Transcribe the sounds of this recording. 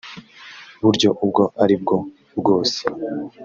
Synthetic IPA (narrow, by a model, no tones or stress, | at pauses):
βuɾɟo̞ʔub̚ɡo̞aɾib̚ɡo̞ | bɡo̞ːse̥